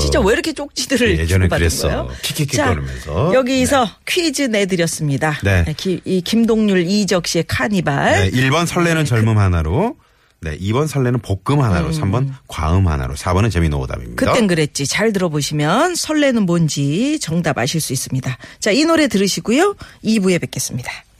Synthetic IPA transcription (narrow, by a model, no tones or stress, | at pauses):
t͡ɕint͡ɕ͈aweiɾʌkʰe̞t͡ɕ͈ok̚t͡ɕ͈idɯɾɯɭjed͡ʑnɯpbaɾes͈ʌ̰jokʰikʰikt͡ɕaɾmʌnsʰʌjʌɡisʰʌkʰɥid͡ʑɯne̞dɯɾjʌs͈ɯmɲidane̞ekiikimdoŋɲuɭid͡ʑʌk̚ɕ͈iekʰaɲibaɭneʔiɭbʌnsʰʌɭːe̞nɯnt͡ɕʌɭmunmɦanaɾo | ne̞̰ʔibʌnsʰʌɭːe̞nɯnpok̚k͈ɯmɦana̰ɾo̰sʰambʌnkwa̰ɯmɦa̰na̰ɾo̰sʰabʌnɯnt͡ɕemino̰da̰mḭmɲikɯdat͈e̞nɡɯɾe̞t̚t͡ɕ͈it͡ɕaɭt̬ɯɾʌboɕʰimjʌnsʰʌɭːe̞nɯnmond͡ʑit͡ɕʌŋdaba̰ɕʰiɭs͈uis͈ɯmɲidat͡ɕainoɾe̞tɯɾɯɕʰiɡujoibue̞be̞k͈e̞s͈ɯmɲid̥ḁ